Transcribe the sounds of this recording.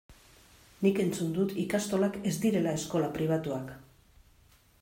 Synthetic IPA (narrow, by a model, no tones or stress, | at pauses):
nike̞nt͡sund̪ut̪ikast̪o̞lake̞zd̪iɾe̞lae̞sko̞lapɾiβ̞at̪uak